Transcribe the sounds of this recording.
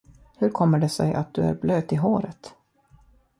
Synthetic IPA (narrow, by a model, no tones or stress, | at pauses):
hɵɾkʰɔmːəɖɛsɛjʔa̰t̪̚d̪ɵæ̰ɾbløːd̪ɪɦoːɾət̪